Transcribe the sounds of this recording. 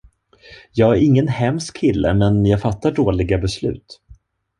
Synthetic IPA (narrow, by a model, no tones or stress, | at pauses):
jɑːɡæɾɪŋːənhɛmskʰːɪlːə̰mɛnjɑːɡfat̪ːaɖoːlɪɡabɛslʉ̟̰ːt̪